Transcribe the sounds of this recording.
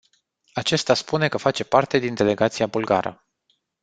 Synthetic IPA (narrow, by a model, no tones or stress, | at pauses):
at͡ʃe̞st̪aspune̞kəfat͡ʃe̞part̪e̞d̪ind̪e̞le̞ɡat̪sijabulɡa̰ɾə̰